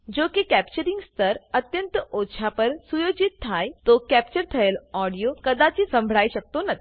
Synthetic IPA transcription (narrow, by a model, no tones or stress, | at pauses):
d͡ʑokikæpt͡ɕəɾiŋɡst̪ʰəɾət̪jənt̪əotːɕʰapəɾsujod͡ʑit̪ʰːajt̪okæp̚t͡ɕəɾt̪ʰəelɔɽijokəd̪at͡ɕisə̃mbʱɽaiɕək̚t̪onət̪ʰ